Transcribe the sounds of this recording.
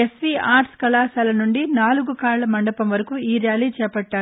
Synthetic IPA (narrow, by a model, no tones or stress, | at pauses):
esʋiaːɾʈskɐlaːsaːlɐnuɳɖinaːluɡukaːɾlɐmɐɳɖɐpɐmʋɐɾɐkuːiːɾjaːliːt͡ʃɛːpɐʈːaːu